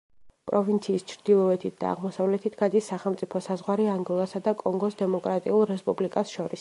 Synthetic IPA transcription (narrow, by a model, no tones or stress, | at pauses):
pʼɾɔvint̪sʰiːst͡ʃʰɾd̪ilˠɔɛt̪ʰit̪̚ʰd̪a̰ːʁmɔsavlɛt̪ʰit̪ʰɡ̥ad̪isːaχɛlˠmt̪sʼipʰɔsazʁwaɾiaŋɡɔlˠasad̪akʼɔŋɡɔsd̪ɛmɔkʼɾat̪ʼiulˠɾɛspʼublikʼasʃɔɾis